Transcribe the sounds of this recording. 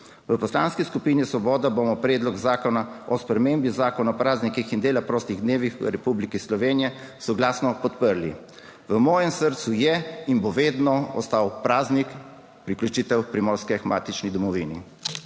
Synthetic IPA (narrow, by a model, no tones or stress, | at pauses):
ʋəpɔslaːnskiskupiːnisʋɔbɔːd̪abomɔpɾɛːd̪lɔɡzaːkɔnaɔspɾɛmeːmbizaːkɔnaɔpɾaːznikixind̪eːlapɾoːst̪iɣd̪neːʋixʋə̰ɾɛpublikislɔʋeːnijɛsɔɡlaːsnɔpɔt̪pəɾli | ʋəmɔːjɛmsəɾt̪sujɛinboʋeːd̪nɔɔ̰st̪aːwpɾaːznik | pɾiklʲut͡ʃiːt̪ɛwpɾimɔːɾskɛxmaːt̪it͡ʃnid̪ɔmɔʋinḭ